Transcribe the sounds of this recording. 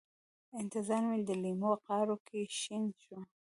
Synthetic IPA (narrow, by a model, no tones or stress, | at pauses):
ɪnt̪ɪzɑɾmid̪əlimoqɑɾokʰeʃinʃu